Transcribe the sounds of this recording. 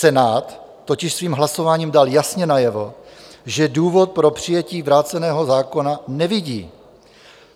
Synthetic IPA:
sɛnaːt̪ː | o̞cɪʃsviːmɦlaso̞vaːɲiːmdaljasɲɛnajɛvo̞ʒɛduːvo̞t̪̚pɾo̞pr̝̥ɪjɛciːvɾaːt͡sɛnɛːɦo̞zaːko̞nanɛvɪɟḭː

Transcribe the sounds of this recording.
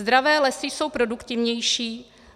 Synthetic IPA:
d̪ɾavɛːlɛsɪso̞wpɾo̞dukt̪ɪvɲɛjʃiː

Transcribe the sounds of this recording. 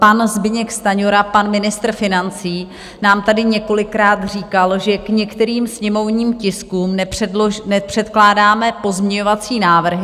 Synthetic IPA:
panzbɪɲɛkst̪aɲoɾapanmɪnɪst̪rfɪnant͡siː | naːmt̪adɪɲɛko̞lɪkɾaːt̪r̝iːkalʒɛkɲɛkt̪ɛɾiːmsɲɛmo̞vɲiːmcɪskuːmnɛr̥ɛdlonɛpr̝̥ɛt̪klaːdaːmɛpo̞zmɲɛɲovat͡siːnaːvr̩ɦɪ

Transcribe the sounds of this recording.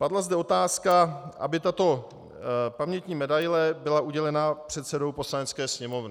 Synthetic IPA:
padlazdɛo̞t̪aːskaʔa̰bɪt̪at̪o̞ | pamɲɛt̪ɲiːmɛdajlɛbɪlaʔuɟɛlɛnapr̥ɛt̪sɛdo̞wpo̞slanɛt͡skɛːsɲɛmo̞vnɪ

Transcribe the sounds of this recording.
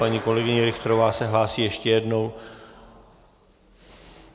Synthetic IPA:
paɲiːko̞lɛɡɪɲɛɾɪxt̪ɾovaːsɛɦlaːsiːjɛʃcɛjɛdno̞w

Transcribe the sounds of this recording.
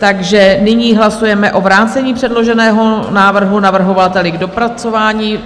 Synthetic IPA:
t̪aɡʒɛnɪɲiːɦlasujɛmɛʔo̞vɾaːt͡sɛɲiːpr̥ɛdlo̞ʒɛnɛːɦo̞naːvr̩ɦunavr̩ɦo̞vat̪ɛlɪɡdo̞pɾat͡so̞vaːɲiː

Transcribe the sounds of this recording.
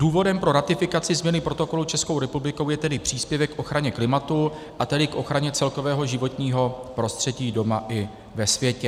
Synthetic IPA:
d̥uːvo̞dɛmpɾo̞ɾat̪ɪfɪkat͡sɪzmɲɛnɪpɾot̪o̞ko̞lut͡ʃɛsko̞wɾɛpublɪko̞wjɛt̪ɛdɪpr̝̥iːspjɛvɛkːʔo̞xɾaɲɛklɪmat̪u | ʔat̪ɛdɪkʔo̞xɾaɲɛt͡sɛlko̞vɛːɦo̞ʒɪvo̞t̪ɲiːɦo̞pɾo̞st̪r̝̥ɛɟiːdo̞maʔɪ | vɛsvjɛcɛ

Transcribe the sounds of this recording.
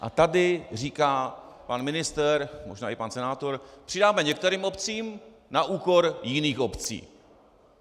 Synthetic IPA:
ʔa̰t̪adɪr̝iːkaː | panmɪnɪst̪ɛɾmo̞̰ʒnaːʔɪpansɛnaːt̪o̞ɾpr̝̥ɪdaːmɛɲɛk̚t̪ɛɾiːmo̞pt͡siːm | naʔuːko̞ɾjɪniːxʔo̞pt͡sḭː

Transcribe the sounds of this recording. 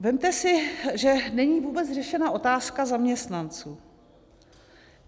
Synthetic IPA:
vɛmt̪ɛsɪʒɛnɛɲiːvuːbɛt͡sr̝ɛʃɛnaʔo̞t̪aːskazamɲɛst̪nant͡suː

